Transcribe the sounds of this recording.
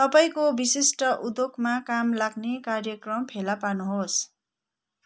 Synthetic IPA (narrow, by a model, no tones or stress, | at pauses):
t̪ʌpaĩkobisisʈʌʔud̪okʰmakamlaɡnekarjʌkrʌmpʰelapanuɦos